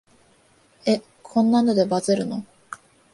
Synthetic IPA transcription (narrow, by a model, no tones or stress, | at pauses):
e | kʰõ̞nːano̞d̪ebazeɾɯ̟no̞